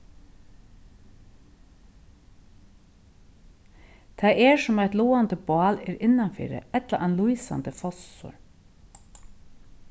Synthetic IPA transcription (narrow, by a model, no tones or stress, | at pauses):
t̪ʰæɪʔeːsɔmæɪt̪luːɑnd̪əbɑːleːɾɪnɑnfḭːɾə̰ɛt̪la̰ʔɛnluiːsɑ̰nd̪əfɔsʊ̰ɹ